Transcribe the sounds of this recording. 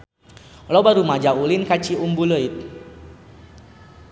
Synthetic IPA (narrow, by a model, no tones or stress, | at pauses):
lɔbaɾumad͡ʒaulinkat͡ʃiumbuləit̪̚